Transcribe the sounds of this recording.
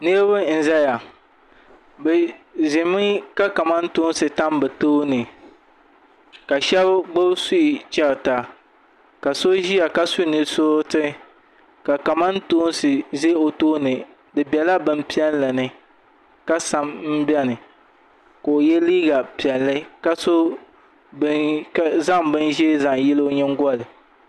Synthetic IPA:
nɨ˦ɾβɨ˦n̩˨za˦ja˨ | bɛ˨zɪ˨mi˦ka˦ka˨ma˦n˦tu˦n˦sɨ˨ta˦mbɨ˨toː˦nɨ˨ | ka˨ʃɛ˦bɡ͡bo˦su˦i˨t͡ʃɛ˦ɾta˨ | ka˨so˦ʒi˦ja˨ka˦su˦nɨ˦so˦tɨ˦ | ka˨ka˨ma˦ntoː˦n˦sɨ˨ze˦o˨toː˦nɨ˨ | dɨ˨bɛ˨la˦bɨ˦m˦pi˦ɛ˦llɨ˨nɨ˦ | ka˦sa˨mm̩˦bɛ˦nɨ˨ | ko˨o˨jɛ˦liː˦ɡa˨pi˨ɛ˨lːɨ˦ka˦so˦ | za˦ŋbɨ˦nʒe˦za˨ŋ˨jɪ˦lo˦o˦ɲɛ˦ŋ̩˦ɡɔ˦lɨ˨

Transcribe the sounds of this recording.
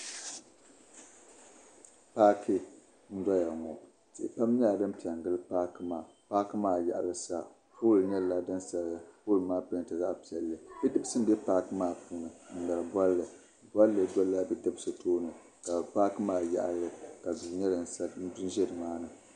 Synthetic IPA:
paː˦kʰi˦ | n̩˦da˦ja˨ŋɔ˨ | ti˨ʔpa˦m˦ɲ˦a˦˨dɨ˦m˦pi˨ɛ˨ŋ˨ɡɨ˦lɨ˦paː˦kɨ˦maː˨ | paː˦kɨ˦maː˦˨ja˨ʔa˨lɨ˦sa˦ | puː˦lɨ˨ɲɛ˦lla˦dɨ˦nsa˨pu˦lɨ˨maː˦pɨ˦n˨tɨ˨za˦ʔpi˨ɛ˨lːɨ˨bɛ˦dɨ˦bsɨ˦n˦bɛ˦paː˦kɨ˦maː˦puː˦nɨ˨n̩˨da˨lɨ˨bʷa˦lːɨ˨ | bʷa˦lːɨ˨dɔ˦lːa˦bɛ˦dɨ˦bsɨ˨toː˦nɨ˨ | ka˨paː˦kɨ˦maː˦ja̰˨ʔa̰˨lːɨ˦ka˨du˨ɲɛ˦dɨ˨n˨sa˦du˦nʒɛ˦dɨ˨maː˦nɨ˨

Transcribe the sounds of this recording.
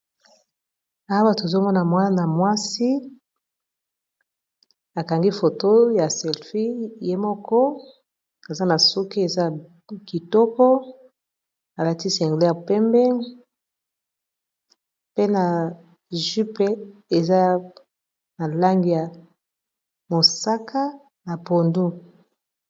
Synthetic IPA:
a˦ba˨to˨zo˦mɔ˦na˨mwa˦na˨mwa˦si˦ | a˨ka˨ŋɡi˦fo˨to˦ja˨sɛ˨lfi˦je˦mɔ˦kɔ˦ | a˨za˦na˨su˦ki˦e˨za˦˨ | ki˨tɔ˦kɔ˦ | a˨la˨ti˦sɛ˨ŋɡle˦ja˨pɛ˦mbɛ˦ŋ | pe˦na˨ | ʒy˦pe˦e˨za˦ | na˨la˦ŋɡi˨ja˨ | mo˨sa˦kʰa˦ | na˨po˨ndu˦

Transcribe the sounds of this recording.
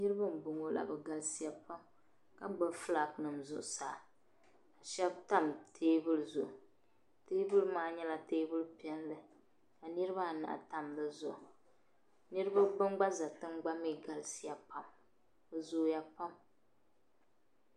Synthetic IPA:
nɨ˦ɾɨ˦ba˦m˨bʊ˨ŋo˨la̰˨bɛ˨ɡa˨lsi˦ja˦pa˦m | ka˦ɡ͡bɨ˦fla˨knɨ˨mzʊ̰˨ʔsaː˨ | a˨ʃɛ˦b̚ta˦mtʰeː˦bɨ˦lɨ˦˨zʊ˨ʔ | teː˦bɨ˦lɨ˦maː˦ɲɛ˦la˨teː˦bɨ˦lpɛ˦nlɨ˨ | ka˨nɨ˦ɾɨ˦ba˦˨na̰˨ʔa̰˨ta˦mbɨ˨zʊ˨ʔ | nɨ˦ɾɨ˦ba˦bɨ˦ŋɡ͡ba˦za˨tɨ˦ŋɡ͡ba˦mi˦ɡa˨lsi˦ja˨pa˦m | bɨ˨zo˦ja˦pa˦m

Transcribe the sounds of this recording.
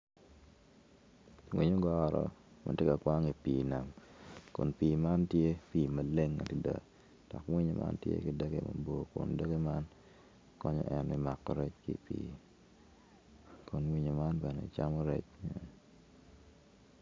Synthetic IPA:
wi˨ɲo˦ɡɔ˦ɾɔ̰˨ma̰˨te˦ka˨kwa˦ŋi˨piː˨na˨mkʊ̰˨npi˨ma˦ntje˦piː˨ma˨le˦ŋːa̰˨ti˨da̰˨ | d̥ɔ˨kwi˦ɲo˨mʔa̰˦ntjḛ˦kɪ˨də˦ɡḛ˨ma̰˨bo˦kʊ̰˨ndə˦ɡe˦ma˦n | kɔ˦ɲɔ̰˦ʔɛ˨nɪ˦ma˨kːɔ˨ɾɛ˦t͡ʃkḭ˦pḭː | kʊ˨nwi˦ɲo˨ma˦nbɛ˨ne˨t͡ʃa˦mɔ˦ɾɛ̰˦t͡ʃ

